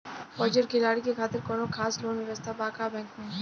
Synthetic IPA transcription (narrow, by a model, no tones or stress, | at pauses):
fɔːd͡ʒəɾkʰɪlaːɽikexaːt̪ɪɾkɔːnõkʰaːsloːnɪʋəst̪abaːkabɛ̃ːŋkmẽː